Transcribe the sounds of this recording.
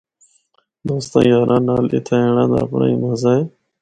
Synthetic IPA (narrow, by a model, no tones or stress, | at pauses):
d̪oːst̪ã̰ːjaːɾʔãːnaːlɪ̰t̪ʰaːeːɳãːd̪a̰ːpɳa̰ːiːnəzaːe